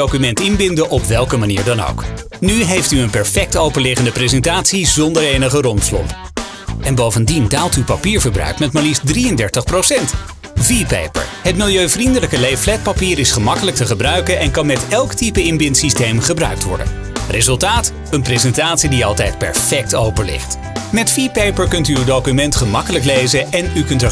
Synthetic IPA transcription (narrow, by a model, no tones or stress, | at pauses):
owkymɛntɪnbɪndəʔɔpʋɛlˠkəmaniːɹdɑno̰wk | nyɦejftyənpɛɹfɛk̚towpəlɪχəndəprezɛntaːtsizɔndəɹejnəχərɔntslɔ̰p | ɛnbowvəndindaːlˠtywpapiːɹvəɹbrœ̰ɥkmɛtmɛlifdriəndɛɹtəχprowsɛnt | vipḛjpə̰ɹɦətmɪlˠjøɥvrindələkəlejflɛt̚papiːɾɪsχəmɑkələk̚təχəbrœɥkənɛnkɑnmɛtɛlˠktipəɪmbɪntsistejmχəbrœ̰ɥk̚tʋɔ̰ɹdə̰n | rʔezɵlˠtaːt | ənprezɛntaːtsidiɑlˠtɛjt̚pɛ̰ɹfɛk̚towpəɹlɪ̰χt | mɛtfipejpəɹkɵntyːwdowkymɛntχəmɑkələklejzəɛnykɵntə